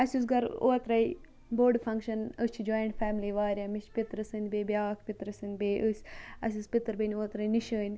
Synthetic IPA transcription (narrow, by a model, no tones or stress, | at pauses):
ɐsʲus̬ɡɐɾo̰ːt̪ɾɐj | boːɖfʰɐŋkʃɐnəst͡ʃʰid͡ʒoːjɐɳʈfæːmliʋaːɾʲjamiʃpit̪ɾɨsɨnʲd̪beːbʲaːkʰpʲit̪ɾɨsɨnʲbeːʔəsʲɐ̰sʲɨspʲit̪əɾbənʲoːt̪ɾɐjniʃəːnʲ